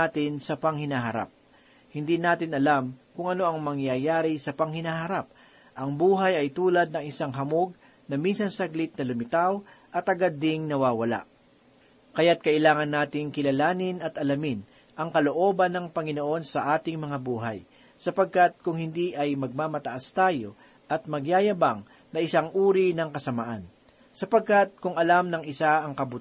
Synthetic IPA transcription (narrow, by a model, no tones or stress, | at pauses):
aːt̪ɪnsɐpɐŋhɪnaːɦɐɾa̰p̚ | hɪnd̪inaːt̪ɪnɐlamkʊŋɐno̞ʔɐŋmɐŋjajaːɾɪsɐpɐŋhɪnaːhɐɾap̚ | ʔɐŋbuːɦɐjɐjt̪uːlɐd̪̚nɐŋɪsaŋɦɐmoɡ̚ | nɐminsɐnsɐɡlɪt̪̚nɐlʊmɪt̪awʔɐt̪ʔɐɡad̪ːɪŋnɐwaːwɐla̰ʔ | kɐjat̪̚kɐʔɪlaːŋɐnːaːt̪ɪŋkɪlɐlaːnɪnɐt̪ʔɐlɐmɪn | ʔɐŋkɐloʔo̞ːbɐnːɐŋpɐŋɪnoʔo̞nsɐʔaːt̪ɪŋmɐŋabuːɦɐ̰j | sɐpɐɡ̚kat̪̚kʊŋhɪnd̪iʔɐjmɐɡ̚maːmɐt̪ɐʔast̪aːjo̞ | ʔɐt̪̚mɐɡjaːjɐbaŋ | nɐʔɪsaŋʔuːɾinɐŋkɐsɐmaʔan | sɐpɐɡ̚kat̪̚kʊŋɐlamnɐŋɪsaɐŋkɐbʊt̪